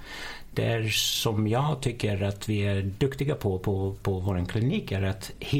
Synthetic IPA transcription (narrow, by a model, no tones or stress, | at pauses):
d̪̥ɛ̰æɾsɔmjɑːt̪ʰʏkːəɾat̪viæɖɵkt̪ɪɡapʰɔpʰɔpʰɔvoːɾənkʰlɪniːkæɾat̪hɪ